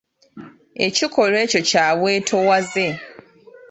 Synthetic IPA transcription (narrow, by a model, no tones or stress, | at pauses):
ḛcikʰolweːco̞caːβweːtʰowaze